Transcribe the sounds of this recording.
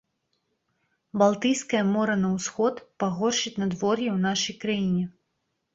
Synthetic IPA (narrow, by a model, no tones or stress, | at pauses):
balˠt̪ɨjskɐjɐmɔɾɐnɐwsxɔt̪paɣɔrʂɨt͡sʲnɐd̪vɔrjɛwn̪aʂɐjkɾajinʲɛ